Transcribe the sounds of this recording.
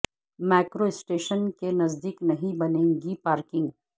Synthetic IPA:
mɛːkɾoɪsʈeːʃənkenɐzd̪iːknɐɦĩbɐnẽːŋɡipaːɾkɪ̃ŋɡ

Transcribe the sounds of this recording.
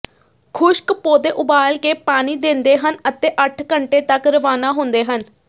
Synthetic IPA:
kʰʊʃkpoːd̪eːʔʊbaːlkeːpaːñiːd̪ɪ̃nd̪eːɦənət̪eːʔəʈʰkəɳʈeːt̪əkɾəʋaːnaːɦʊ̃nd̪eːɦən

